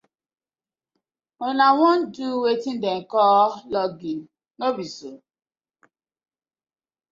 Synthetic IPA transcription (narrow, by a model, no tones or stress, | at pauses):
ɔnawɔ̃nduwetĩn̩dekɔlɔɡi | nobiso